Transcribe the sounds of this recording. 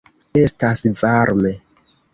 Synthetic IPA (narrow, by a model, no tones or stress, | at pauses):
e̞stasvaɾme